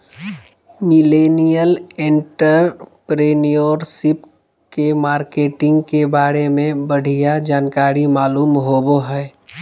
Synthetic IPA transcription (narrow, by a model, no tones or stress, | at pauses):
mɪleːnijəlẽɳʈəɾpɾeːnijoːɾsɪp | kemaːɾkeːʈɪ̃ŋɡkebaːɾemẽbəɽ̤ʱijad͡ʒaːnkaːɾimaːluːmɦoːboɦɛː